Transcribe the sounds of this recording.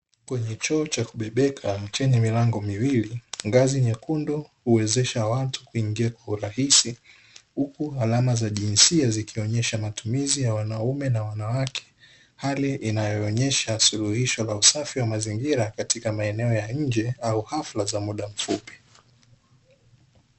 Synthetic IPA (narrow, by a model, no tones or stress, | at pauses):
kwɛɲɛt͡ʃɔːt͡ʃakuɓɛɓɛkʰat͡ʃɛɲɛmilaŋɡɔmiwiliŋɡaziɲakundɔhuwɛzɛʃawatu̥kuiŋɡiakwauɾahisi | hukualamazaʄinsiazikʰiɔɲɛʃamatumizijawanaumɛnawanawakʰɛ̥ | haliʔinajɔːɲɛʃasuluhiʃɔlausafiwamaziŋɡiɾakatikamaɛnɛɔjaɲ̩d͡ʒɛauhaflazamuɗam̩fupi̥